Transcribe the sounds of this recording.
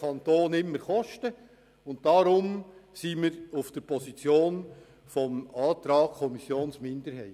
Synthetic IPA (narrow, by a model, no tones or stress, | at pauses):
ɑntoːnɪmːəɾχɔʃtə | ʊnt̚d̥ɑɾʊmsiːmɪɾʊfd̥əɾpʰɔsit͡sjoːn | fɔmɑːt̪ɾɑːɡkʰɔmisjoːnsmɪndəɾhɛɪt